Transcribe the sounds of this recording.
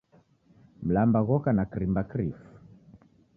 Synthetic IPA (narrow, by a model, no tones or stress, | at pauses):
m̩lambaɣɔkanakɾimbakɾif